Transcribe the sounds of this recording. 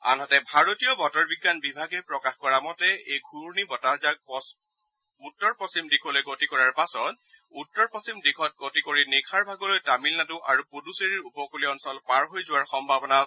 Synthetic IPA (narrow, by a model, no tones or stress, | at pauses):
a̰nɔtɛbʱaɹotijɔbʱɔtɔɹbiɡːanbibʱaɡɛpɹɔkaxkɔɹamɔtɛejɡʱuɹnibɔtazak̚pɔ | utːɔɹpɔsimdikʰɔlojɡotikɔɹaɹpasɔt̚ | utːɔɹpɔsimdikʰɔt̚ɡotikoɹinikʰaɹbʱaɡɔlojtamilnatʊʔaɹupuduseɹiɹupɔkuliɔnsɔlpaɹɦojzʊwaɹxɔmbʱabɔna